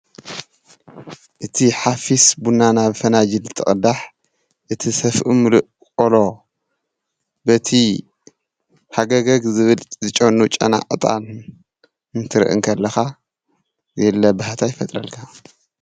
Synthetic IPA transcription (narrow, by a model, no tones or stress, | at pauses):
ʔɨt̪ʰiħafisbunːanaβfɐnad͡ʒilɨt̪ʰɨχʼɨd̪aħ | ʔɨt̪ʰisɐfʔɨmlɨʔ | kʼolo̞ | bɐt̪ʰi | ħaɡɐɡɐɡzɨβɨlʼzɨt͡ʃʼonut͡ʃʼɐ̰na̰ʔʼɨt̪ʼa̰l | ɨnt̪ʰɨɾɨ̰ʔɨ̰ŋkʰɐlːɐxa | zelːɐbɨhat̪ʰajɪfɐt̪ʼɾɐlkʰa